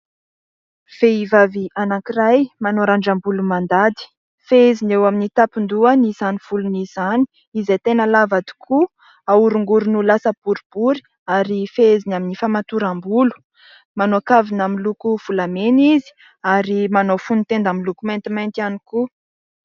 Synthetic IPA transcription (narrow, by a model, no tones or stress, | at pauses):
v̥eivaviʔanakirajmanoɾaɳɖ͡ʐambulumand̪ad̪i̥ | feezinewaminit̪apind̪uənizaniv̥ulunizani̥ | izet̪enəlavad̪i̥kʰu | auɾuŋɡuɾunulasəbuɾib̥uɾi̥ | aɾifeezinaminifamat̪uɾambulu̥ | manoakavinamilukuv̥ulamenizi̥ | aɾimanofunit̪end̪amilukumant̪imant̪ianiku